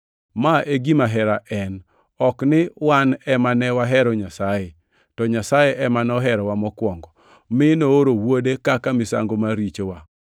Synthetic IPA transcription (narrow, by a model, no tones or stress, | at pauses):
maʔeɡimaɦɛɾaʔɛn | ɔknɪwanɛmanɛwaɦɛɾɔɲasaje | tɔɲasajeʔɛmanɔɦɛɾɔwamɔkwɔŋɡɔ | mɪnooɾowodekakamɪsa̰ŋɡomaɾit͡ʃowa